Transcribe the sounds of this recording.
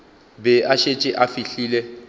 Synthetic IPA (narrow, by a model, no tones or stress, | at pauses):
bɛaʃet͡ʃʼɪʔafiɬiːlɛ